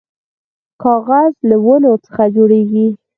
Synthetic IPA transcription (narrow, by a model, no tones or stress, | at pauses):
kɑɣazlawəlot͡sə̥xad͡ʒoɽeɡi